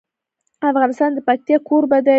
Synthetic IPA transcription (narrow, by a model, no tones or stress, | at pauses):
afʁɑnɨst̪ɑnd̪əpat̪ːeqʰuɾbad̪a